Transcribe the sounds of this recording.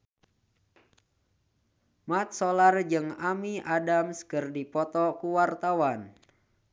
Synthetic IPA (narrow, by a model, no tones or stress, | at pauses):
mat̪̚solard͡ʒɨŋamiʔadamskɨrdipɔt̪ɔkuwart̪awan